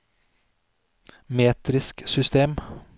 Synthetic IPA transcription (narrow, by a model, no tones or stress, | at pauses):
meːt̪ɾɪsksʏst̪eːm